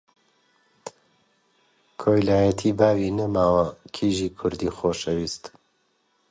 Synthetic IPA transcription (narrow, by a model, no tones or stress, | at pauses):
kʰoːjlaːjɛt̪ʰiːbaːwinɐmaːwɐkʰiːʒiːkʰʊɾd̪iːxoːʃɛwiːst̪